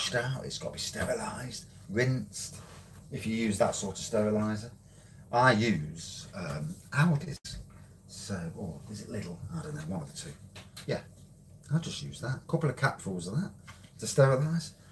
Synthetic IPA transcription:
ʃtaʊtɪ̰tsɡ̥ɑ̰təbistɛɹəlaɪzd̥ | ɹɪ̃ntstɪfjəjʉːzðə̰tsɔɹtəv̥stɛɹəlaɪzə | ʔaɪjʉːz̥ʌ̃mʔaʊdɪ̰z̥ | soʊɔɪzɪʔlɪɾˡl̩ˠaɪdõʊ̃noʊwɔ̃nðətʰʉːjæ | aɪd͡ʒʌstjʉ̰ːzðatə̥kʰʊpl̩ˠəv̥kʰapfulˠzəðət̚tʰəstɛɹəlaɪz̥

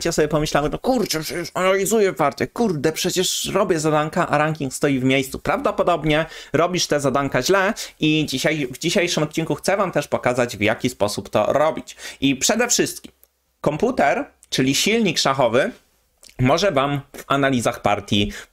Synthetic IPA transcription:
t͡ɕasɔbʲjɛpɔmɘɕlawɛnɔkuɾt͡ʂɛpʂɛt͡ɕɛʂanalʲizujɛvaɾt̪ɛkuɾd̪ɛpʂɛt͡ɕɛʂɾɔbʲjɛzad̪aŋkaʔaɾaŋkʲiŋkst̪ɔjivmʲjejst̪su̥pɾavd̪ɔpɔd̪ɔbɲɛɾɔbʲiʂt̪ɛzad̪aŋkaʑlɛʔid͡ʑiɕajvd͡ʑiɕejʂɘmɔt̪̚t͡ɕiŋkuxt̪sɛvamt̪ɛʂpɔkazad͡ʑvjakʲispɔsupt̪ɔ̰ɾɔbʲit͡ɕʔipʂɛd̪ɛfʂɘst̪kʲim | kɔmput̪ɛɾ | t͡ʂɘlʲiɕilʲɲikʂaxɔvɘ | mɔʐɛvamvanalʲizaxpa̰ɾt̪ʲji

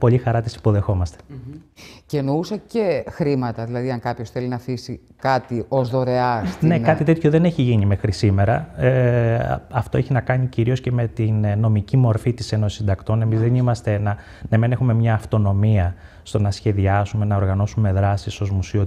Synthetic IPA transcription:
po̞ʎixɐɾɐt̪isi̥po̞ðe̞xo̞mɐst̪e̥ | cenousɐcexɾimɐt̪ɐðilɐðiɐŋkɐpço̞sθelinɐfisi | kɐt̪iʔozðo̞ɾe̞ɐsnne̞kɐt̪it̪e̞t̪çoðe̞neçiʝinime̞xɾisime̞ɾɐe | ɐft̪o̞eçinɐkɐɲiciɾio̞sce̞me̞t̪inno̞micimo̞ɾfit̪ise̞nosi̥sind̪ɐkt̪o̞ne̞mizðenimɐst̪e̞nɐ | nemene̞xume̞mɲɐːft̪o̞no̞miɐ | st̪o̞nɐsçe̞ðiɐsume̞nɐoɾɣɐno̞sume̞ðɾɐsiso̞zmusio̞

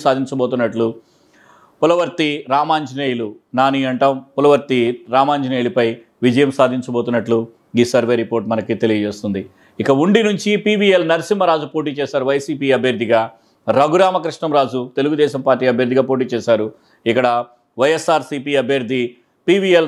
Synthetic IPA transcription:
saːd̪ʱiɲt͡ʃɐboːt̪unːɐʈlu | pulɐʋɐɾt̪iɾaːmaːɲd͡ʒineːjlunaːniɐɳʈɐmpulɐʋɐɾt̪iɾaːmaːɲd͡ʒineːjlupɐj | ʋid͡ʒɐjɐmsaːd̪ʱiɲt͡ʃɐbo̞ːt̪unːɐʈlu | ɡisɐɾʋeːɾipo̞ːɾʈmɐnɐkit̪e̞lijɐd͡ʒeːst̪und̪i | ikɐuɳɖinuɲt͡ʃipiːʋielnɐɾsimːɐɾaːd͡ʒupo̞ːʈ̬iːt͡ʃɛːʃaːɾuʋɐjsiːpiːɐbʱjɐɾd̪ʱiɡaː | ɾɐɡuɾaːmɐkɾiʂɳɐmɾaːd͡ʒut̪e̞luɡud̪ɛːʃɐmpaːɾʈːiːɐbʱjɐɾd̪ʱiɡaːpo̞ːʈ̬iːt͡ʃɛːʃaːɾu | ikːɐɽɐ | ʋɐjesaːɾsiːpiːɐbʱjɐɾd̪ʱːi | piːʋiel

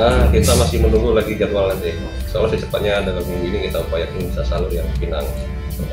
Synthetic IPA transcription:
əkit̪amasɪhmənuŋɡulaɡid͡ʒadualant̪ɛ | sə̥kalosət͡ʃəpat̪̚ɲadalamɡiŋɡuinikit̪aupajaʔinibisasalujaŋpina̰ŋ

